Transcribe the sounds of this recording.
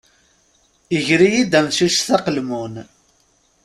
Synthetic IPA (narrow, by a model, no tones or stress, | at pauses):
əʝɾijid̪æmsusθæqəlmun